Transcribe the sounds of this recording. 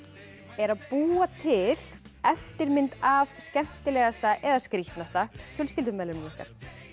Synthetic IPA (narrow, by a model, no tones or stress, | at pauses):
ɛɾaðpuːat̪ʰɪl̥ɛft̪ɪɾmɪnt̪avscɛm̥t̪ɪlɛɣast̪aʔɛðaskɾiht̪nast̪ac̪ʰʏlscɪlt̪ʏmɛːlɾʏhka̰ɾ̥